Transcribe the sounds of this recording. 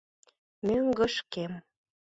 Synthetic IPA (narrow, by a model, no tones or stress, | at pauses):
møŋɡə̆ʃkem